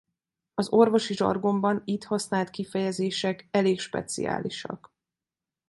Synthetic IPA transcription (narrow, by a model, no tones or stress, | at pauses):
ɒzo̞rvo̞ʃiʒɒ̰rɡo̞mbɒnit̪hɒsnaːlt̪kifɛjɛzeːʃɛkɛleːkʃpɛ̰t̪sḭja̰ːliʃɒ̰k